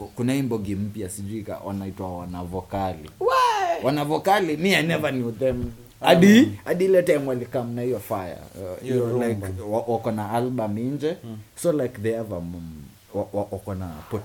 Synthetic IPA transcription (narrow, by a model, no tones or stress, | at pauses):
kunahiːmbɔɡim̩pjasiʄuika̰wʔa̰naitwawanavɔkalḭwwanavɔkalimiajnɛvanuðɛm | aɗiaɗilɛtajmualikam̩nahijɔfaja̰ilajkwawakɔnaalbamind͡ʒɛsɔlaɪkðɛavam | wawawakɔnapɔt